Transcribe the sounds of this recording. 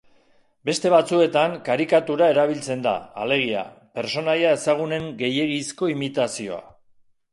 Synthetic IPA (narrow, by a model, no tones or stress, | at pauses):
be̞st̪e̞βat͡sue̞t̪aŋkaɾikat̪uɾae̞ɾaβ̞ilt͡se̞nd̪a̰ale̞ɣ̞ia̰pe̞ɾso̞najae̞saɣ̞une̞ŋɡe̞je̞ɣisko̞imit̪asio̞̰a̰